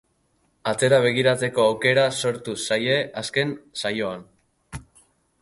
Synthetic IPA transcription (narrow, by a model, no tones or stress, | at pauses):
at͡se̞ɾaβe̞ɣ̞iɾat͡se̞ko̞awke̞ɾaso̞ɾt̪usajeaske̞nsajo̞an